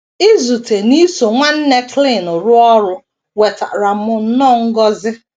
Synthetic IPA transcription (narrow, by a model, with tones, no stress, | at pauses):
ɪ˦zu˨te˨ni˦so˨ŋʷa˦n̩˦ne˦kli˦˨nʊ˨ɾʊ˦ɔ˦ɾʊ˦ | we˨ta̰˨ɾa˨˦mʊ˨n̩˦nɔ˦˨ŋ̩˦ɡɔ˦zɪ˦